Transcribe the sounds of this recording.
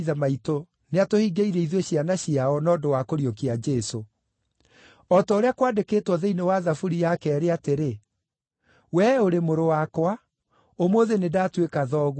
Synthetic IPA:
ðamaito | neatohiɡeiɾɛiðɔɕjanaɕiaɔnɔːdowakoɾiokiad͡ʒɛso | ɔtaoɾeakwaːndekeːtwɔðeinewaðafuɾijakɛɛɾeateɾe | wɛoɾemoɾowakwa | omoðenedaːtwekaðɔːɣ

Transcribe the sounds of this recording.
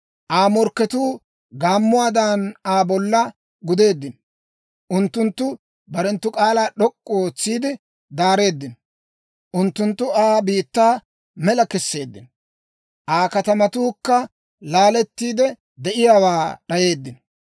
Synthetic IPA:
ʔaːmɔɾkːɛt̪uː | ɡaːmːʊwaːd̪anaːbɔlːɐ | ɡʊd̪e̞ːd̪ːɪn | ʔʊnt̪ːʊnt̪ːʊ | bɐɾɛnt̪ːʊkʼaːlaːɗɔkʼːoːt͡sːiːd̪ɪ | d̪aːɾe̞ːd̪ːɪnɔ | ʔʊnt̪ːʊnt̪ːʊaːbiːt̪ːaː | mɛlɐkɛsːe̞ːd̪ːɪn | ʔaːkɐt̪ɐmɐt̪uːkːɐ | laːlɛt̪ːiːd̪ɛ | d̪ɛʔɪjaːwaːɗɐje̞ːd̪ːɪn

